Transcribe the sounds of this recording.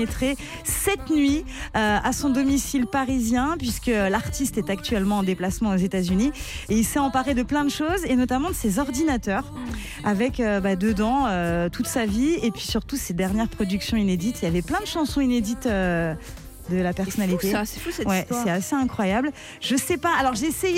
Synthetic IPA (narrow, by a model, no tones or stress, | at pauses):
et̪χe | sɛt̪nɥiøasɔ̃d̪ɔmisilpaʁizjɛ̃pɥiskəlaʁt̪ist̪ɛt̪akt̪ɥɛlmɑ̃ːd̪eplasmɑ̃ozet̪azynieilsɛɑ̃paʁed̪əplɛ̃d̪əʃozenɔt̪amɑ̃d̪əsezɔʁd̪inat̪œːʁ | avɛkøbad̪əd̪ɑ̃øt̪ut̪saviepɥisyʁt̪used̪ɛʁnjɛʁpχɔd̪yksjɔ̃ined̪it̪iljavɛplɛ̃d̪əʃɑ̃sɔ̃ined̪it̪ø | d̪əlapɛʁsɔnalit̪esefusɛwɛsɛaseɛ̃kχwajabl | ʒ̥əsɛpaːlɔʁʒesej